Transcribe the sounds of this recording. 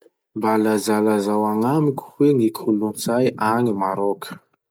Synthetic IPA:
balazalazawaŋamikʲu̥weŋikʰulunzajʔaŋimaɾokʰə̥

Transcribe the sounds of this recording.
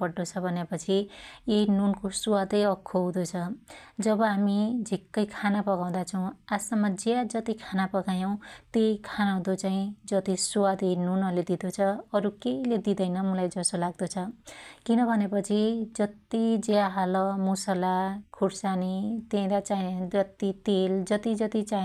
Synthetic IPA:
bʌɽːot͡sʰʌbʱʌnepʌt͡sʰijenunkosuwad̪ʌjʌkʰːowd̪ot͡sʰʌd͡zʌbʌɦamid͡zʱikːʌjkʰanapʌɡaw̃d̪at͡sʰʌw̃asʌmːʌd͡ziad͡zʌt̪ikʰanapʌɡajʌw̃t̪eikʰanaw̃d̪ot͡saĩd͡zʌt̪isuwad̪ʌjnunʌled̪id̪ot͡sʰʌʌɾukeiled̪id̪ʌjnʌmulajd͡zʌsolaɡ̚d̪ot͡sʰʌkinʌbʱʌnepʌt͡sʰid͡zʌt̪id͡zeaɦalʌmusʌlakʰuɽsanit̪ẽd̪at͡said͡zʌt̪it̪eld͡zʌt̪id͡zʌt̪it͡sa

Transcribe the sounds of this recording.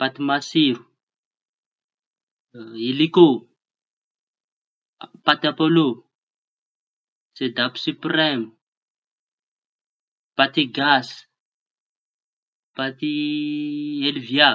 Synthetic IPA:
pat̪imasiɾu | iliko | pat̪apolo | t͡sed̪apu̥sypremu | pat̪iɡas | pat̪i | elivia

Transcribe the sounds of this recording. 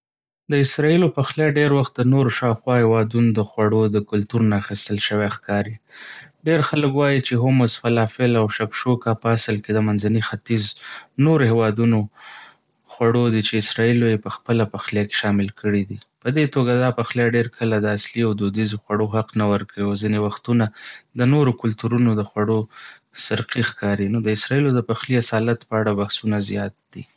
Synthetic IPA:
d̪əɪsɾɑilopaxljɑɖeɾwaxt̪̚d̪ənoɾoʃɑwxwɑhewɑd̪unod̪əxwaɽod̪əkʊlt̪uɾnaːxist̪əlʃəwexkɑɾiɖeɾxaləkwɑjit͡ʃeɦomʊsfalɑfɪlawʃakʃokapəasəlked̪əmanzanixat̪iznoɾohewɑd̪uno | xwaɽod̪it͡ʃeɪsɾɑilojepəxpəlapaxljake̥ʃɑmɪlkəɽid̪ipəd̪et̪oɡad̪ɑpaxljɑɖeɾkʰəlad̪əasliawd̪od̪izoxwaɽoɦaqnawəɾkawiazinewaxt̪unad̪ənoɾokʊlt̪uɾunod̪əxwaɽo | sɪɾqixkɑɾinod̪əɪsɾɑilod̪əpaxliasɑlat̪pəaɽabahsunazjɑt̪̚d̪̥ḭ

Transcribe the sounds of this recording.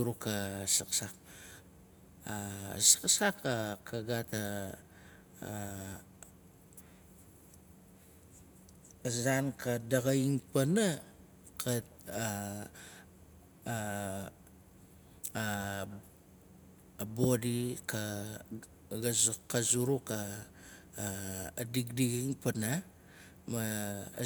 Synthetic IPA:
uɾukasaksak̚ | asḁksakakaɡata | zankadaɡaiŋpana | kʰa | a | bodika | ɡazkazuɾuka | diɡdiɡiŋpana | ma

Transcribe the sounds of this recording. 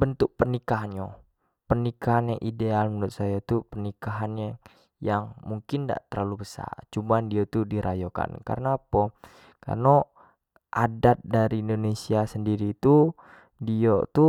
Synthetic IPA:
bənt̪ʊk̚pənikaɦanjo | pənikaɦanjaŋʔidealmundʊt̪̚sajat̪upənikaɦanja | jaŋmuŋkɪnda̰ʔt̪ərlalubəsa̰rt͡ʃumandiat̪udiɾʔajoka̰nka̰ɾənaːpɔ | ka̰rno | ʔadat̪̚daɾiːndonesiasəndiɾiːt̪u | diot̪u

